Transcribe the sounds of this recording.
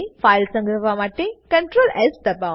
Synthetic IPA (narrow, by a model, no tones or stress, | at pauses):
faːjlsɐ̃ŋɡɾɐʋʱamaːʈːekɐɳʈɾoːlest̪ɐpːa